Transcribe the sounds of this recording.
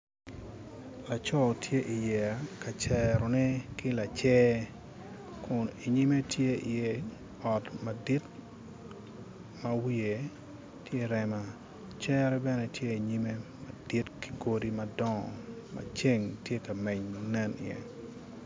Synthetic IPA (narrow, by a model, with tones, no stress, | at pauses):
la˨t͡ʃɔ˦tʰje˦ʔi˨jɛ˨a˨ka˨t͡ʃɛ˨ɾɔ˨nɛ˦ki˦la˨t͡ʃɛː˦ | kʰʊ˨ni˨ɲi˦me˦tje˦i˨je˦ | ɔ˨tma˨di˦t | mɐ˦wi˦e˨ | tje˦ɾɛ˦ma˦ | t͡ʃɛ˦ɾɛ˦bɛ˦nɛ˦tje˦i˨ɲi˦me˦ma˨di˦tki̥˨ɡo˦di˦mɐ˨dɔ˦ŋɔ˨ma̰˨t͡ʃe˦ŋtje˦ka˨mɛ˨ɲnɛ˦nɪ̰ɛ̰˨